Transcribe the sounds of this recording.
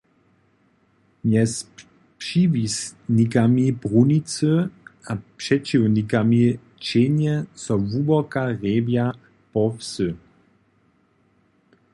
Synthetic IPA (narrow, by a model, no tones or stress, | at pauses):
mjɛs | pʃivisnikamibʁunit͡søapʃɛt͡ʃiwnikami | t͡ʃenjɛsɔvubɔkaʁeːvja | pɔfsø